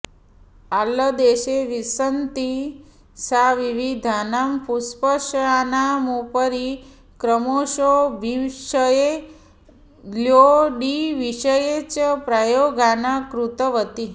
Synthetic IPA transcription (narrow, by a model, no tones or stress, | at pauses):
alːəd̪eʃeʋisənt̪i | saʋiʋid̪ʱanampuspəʃanamupəɾi | kɾəmoʃoʋiʃəje | ljoɖiʋiʃəjet͡ʃpɾajoɡʱanakɾut̪əʋət̪i